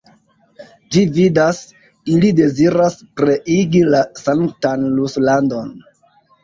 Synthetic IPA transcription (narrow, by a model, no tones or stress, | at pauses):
d͡ʒividas | ilide̞ziɾaspɾe̞ʔiɡilasaŋtanluslando̞n